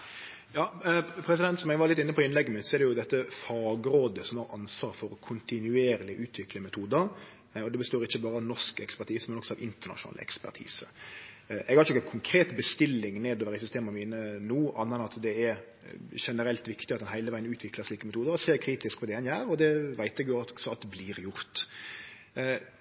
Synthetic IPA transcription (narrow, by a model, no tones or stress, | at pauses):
jɑːpʰɾɛs̬ɪd̪ɛnt̪sɔmɛɡʋɑɾlɪt̪ːɪnːəpʰɔɪnlɛɡːəmʉːt̪sɔɛɾd̪ɛjʊd̪ɛt̪ːəfɑːɡɾoːd̪əsɔmhɑɾɑnsʋɑːɾfɔɾɔkʰʊnt̪ɪnʉeːɾlɪʔʉːt̪ʰʋɪkləmɛt̪ʰuːd̪əɾ | ɔd̪ɛbəst̪oːɾɪçːəbɑːɾəɑʋnɔʂkɛkspæʁt̪ʰiːsmɛnɔksɔɑʋɪnt̪əʁɳɑ̰ʂʊnɑ̰ːlə̰ɛ̰kspæ̰ʈ̪ʰḭːsə̰ | ʔɛɡhɑɾəɔəkʰʊŋkʰɾeːt̪bəst̪ɪlːɪŋneːd̪oːʋəɾæɪsʏst̪eːmɑmiːnənuːʔɑnːɑnɑt̪d̪ɛɛɾ | ʂɛnəɾɛlt̪ʋɪkt̪ɪɑt̪d̪ɛnhæɪləʋæɪənʉːt̪ʰʋɪkləʂɭiːkəmɛt̪ʰuːd̪əɾɔseːɾkʰɾiːt̪ɪskpʰɔd̪ɛɛnjæːɾɔd̪ɛʋæɪt̪ɛɡjʊsɔɑt̪̚d̪bliːɾjʊɾt̪